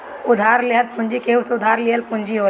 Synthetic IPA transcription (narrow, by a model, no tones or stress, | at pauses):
ʊd̪ʱaːɾleɦəlpʊ̃nd͡ʒikeːuseʊd̪ʱaːɾliɦəlpʊnd͡ʒiɦoː